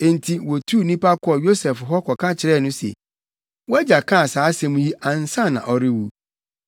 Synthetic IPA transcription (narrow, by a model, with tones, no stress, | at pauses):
e˨n̩˨tʰi˨wo˨tʰu˦˨nĩ˦pa˦kʰɔ˨jo˦sɛ˨fɦɔ˦kʰɔ˨kʰã˦t͡ɕʰɪ˨ɾɛ˦˨nʊ̃˦sḛ˨ | wɔ˦ɛ˦d͡ʑa˨kʰã˦a˨saː˨˦sɛ̃˦˨mũ˦ji˦ʔa˨n̩˨sã˦˨nã̰˨ʔɔ˨ɾɪ˦wu˨